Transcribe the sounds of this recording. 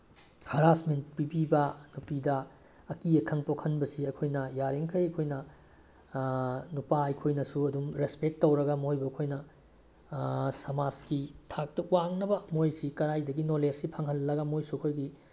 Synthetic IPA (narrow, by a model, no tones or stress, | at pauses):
hɐɾasment̚pibibɐnupidɐ | ɐkiekʰɐŋpokʰɐnbɐsiɐkʰojnɐjaɾiŋkʰɐjɐkʰojnɐ | nupaɐjkʰojnɐsuɐdumɾespek̚tːɐwɾɐɡɐmojbɐːkʰojnɐ | sɐmaskitʰak̚tɐwaŋnɐbɐmojsikɐɾajdɐɡinolesipʰaŋɦɐlːɐɡɐmojsuɐkʰojɡi